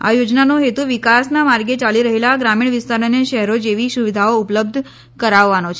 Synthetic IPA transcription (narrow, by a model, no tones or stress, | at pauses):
a̰jod͡ʒnanoɦet̪uʋikasnamaɾɡet͡ʃaliɾəɦelaɡɾamiɳ̃ʋɪst̪aɾoneʃəɦɛɾod͡ʒeʋisuʋid̪ʱaoʊpləb̚d̪ʱ | kəɾaʋːanot͡ʃʰe